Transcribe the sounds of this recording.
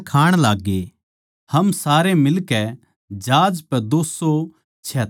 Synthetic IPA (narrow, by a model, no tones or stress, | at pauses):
kʰaːɽ̃laːɡːe | hɐmsaːɾemɪlkɛ | d͡ʒaːd͡ʒpɛd̪oːso | t͡ʃʰɛ